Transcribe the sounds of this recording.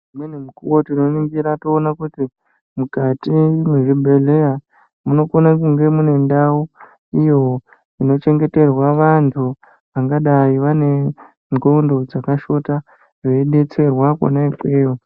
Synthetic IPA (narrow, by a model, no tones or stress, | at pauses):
mwenumukuwotino̞niŋɡiɾatoːnakuti | mukatimweʐibʱe̞le̞ja | muno̞konakuŋɡe̞mune̞ndawo | ijo̞ | ino̞t͡ʃe̞ŋɡe̞te̞rwaʋantʰu | ʋaŋɡaɗaiʋane̞ | ŋɡo̞ndo̞d͡zakaʃo̞ta | ʐeiɗe̞t͡se̞rwako̰naikeːjo